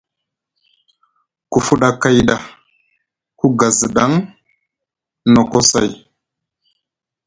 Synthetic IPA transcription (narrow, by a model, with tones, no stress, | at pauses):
ku˨fu˦ɗa˦˨ka˦jɗa˨ | ku˦ɡa˨zə˨ɗa˨˦ŋ | no˨ko˦sa̰˦˨j